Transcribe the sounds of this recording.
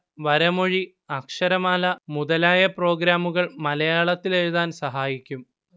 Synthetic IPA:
ʋɐɾɐmoɻi | ɐkʂɐɾɐmaːlɐmuðɐlaːjɐpro̞ːɡɾaːmuɣɐɭmɐlɐjaːɭɐt̪ːileɻuðaːnsɐɦaːjikʲːum

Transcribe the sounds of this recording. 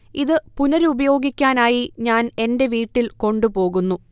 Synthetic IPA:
iðɨpunɐɾubɐjo̞ːɡikʲːaːnaːjiɲaːne̞nde̞ʋiːʈːilko̞ɳɖupo̞ːɣunːu

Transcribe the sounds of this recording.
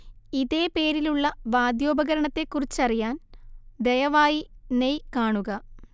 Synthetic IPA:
iðe̞ːpe̞ːɾiluɭːɐʋaːd̪jo̞ːbɐɣɐɾɐɳɐt̪ːe̞kːurit͡ɕːɐrijaːnd̪ejɐʋaːjinejkaːɳuɣɐ

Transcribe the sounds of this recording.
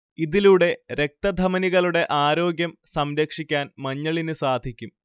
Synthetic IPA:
iðiluɽe̞ɾe̞k̚t̪ɐd̪ʱɐmɐniɣɐɭuɽe̞ʔaːɾo̞ːɡjɐmsɐmɾɐkʂikʲːaːnmɐɲːɐɭinɨsaːd̪ʱikʲːum

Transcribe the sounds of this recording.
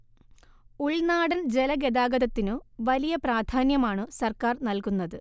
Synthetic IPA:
uɭnaːɽɐnd͡ʑe̞lɐɡed̪aːɡɐðɐt̪ːinɨʋɐlijɐpraːd̪ʱʰaːnjɐmaːɳɨsɐrkaːrnɐlkunːɐðɨ

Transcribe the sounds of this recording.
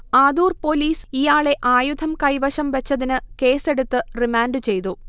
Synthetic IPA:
aːd̪uːrpo̞liːsijaːɭe̞ʔaːjud̪ʱɐmkɐjʋɐɕɐmʋɐt͡ɕːɐðinɨke̞ːse̞ɽut̪ːɨrimaːnɖɨt͡ɕe̞jt̪u

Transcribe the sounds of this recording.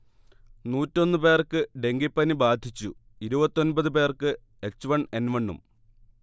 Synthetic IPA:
nuːtːo̞nːɨpe̞ːrkːɨɖe̞ŋɡipːɐnibaːd̪ʱit͡ɕːu | iɾubɐt̪ːo̞nbɐðɨp̬e̞ːrkɨ | e̞t͡ɕːuʋɐɳenʋɐɳːṵm

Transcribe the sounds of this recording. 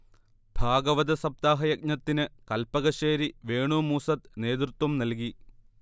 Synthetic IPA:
b̥ʱaːɡɐʋɐd̪ɐsɐb̚t̪aːɦɐjɐk̚ɲɐt̪ːinɨkɐlpɐɣɐʂeːɾiʋeːɳumuːsɐt̪ne̞ːd̪rut̪wɐmnɐlk̬i

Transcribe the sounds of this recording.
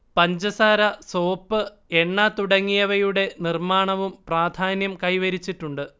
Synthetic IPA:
pɐɲd͡ʑɐsaːɾɐso̞ːpːɨ | eɳːɐt̪uɽɐŋːijɐʋɐjuɽe̞nirmaːɳɐʋumpraːd̪ʱaːnjɐmkɐjʋɐɾit͡ɕːiʈːuɳɖɨ

